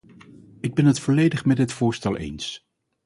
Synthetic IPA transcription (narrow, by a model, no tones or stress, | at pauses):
ɪɡ̚bɛnɦətfɔlejdəχmɛdɪtfʊːɹstɛlˠʔḛjns